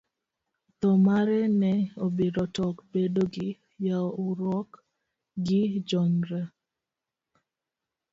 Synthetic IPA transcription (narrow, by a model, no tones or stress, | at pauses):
t̪ɔmaɾɛnɛobeɾɔtɔkbedoɡɪ | jaɔʊɾwɔk | ɡɪd͡ʒɔnɾa